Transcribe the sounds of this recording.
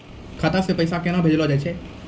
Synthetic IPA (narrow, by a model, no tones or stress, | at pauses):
kʰat̪asepəjsakenãbʱed͡ʒlod͡ʒajt͡ʃʰe